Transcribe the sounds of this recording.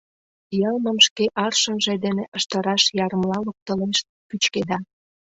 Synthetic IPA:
jɑlməmʃkeʔɑrʃənʒed̪eneʔəʃt̪əɾɑʃjɑɾəmlɑlək̚t̪əleʃ | pyt͡ɕked̪ɑ

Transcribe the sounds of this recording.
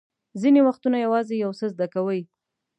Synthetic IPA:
zinewaxt̪unajawɑzejawsəzd̪akawəj

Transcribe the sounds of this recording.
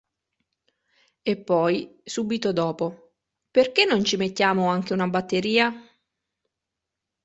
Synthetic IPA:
epːɔjsuːbit̪od̪ɔːpo | perkenːont͡ʃimet̪ːjaːmoaŋk̟eunabat̪ːeɾiːa

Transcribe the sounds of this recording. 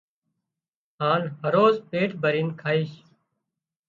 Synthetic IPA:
ɦaːnɦəɾoːzpeːʈʰbʱəɾiːnkʰaːiːʃ

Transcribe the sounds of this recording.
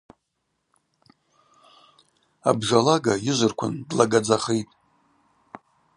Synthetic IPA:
a̰bʐalaɡajɪʒʷɨrkʷʰʊ̰ndlaɡad͡zaχejtʼ

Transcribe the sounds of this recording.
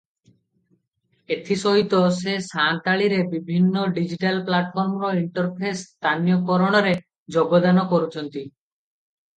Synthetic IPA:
et̪ʰiʃoɦit̪osesant̪aɭiɾebibʱinːoɖid͡ʑiʈalplaʈfʰɔɾmɾoiɳʈoɾpʰest̪ʰanijokɔɾoɽ̃oɾe | d͡ʑoɡːod̪anokoɾut͡ɕʰont̪i

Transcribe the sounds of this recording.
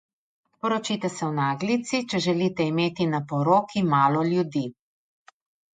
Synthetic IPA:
pɔɾɔt͡ʃiːt̪ɛsɛwnaːɡlit̪sit͡ʃɛʒɛliːt̪ɛimeːt̪inapɔɾoːkʰimaːlɔljud̪iː

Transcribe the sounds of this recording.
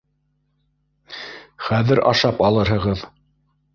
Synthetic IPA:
χæðɘɾʔɑ̰ʃɑpɑlˠɤɾɦɤ̆ʁɤð

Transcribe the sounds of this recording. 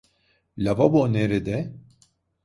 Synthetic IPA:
lʲavaboneɾid̪ɛ

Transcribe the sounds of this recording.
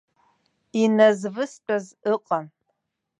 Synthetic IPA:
inɐzvɨstʷʼɐzɨqʼɐn

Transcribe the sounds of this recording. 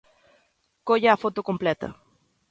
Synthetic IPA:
koʎaːfot̪okomplɛt̪ɐ̰

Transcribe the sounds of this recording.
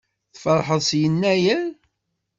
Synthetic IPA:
θfəɾˤħəðˤsjənːæjæn

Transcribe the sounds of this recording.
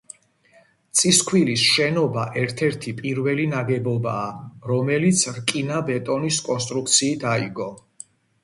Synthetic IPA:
t̪sʼiskʰwilisʃɛnɔbaʔɛɾt̪ʰɛɾt̪ʰipʼiɾvɛlinaɡɛbɔbaːɾɔmɛlit̪sʰɾkʼinabɛt̪ʼɔniskʼɔnst̪ʼɾuk̚t̪sʰiːt̪ʰaiɡɔ

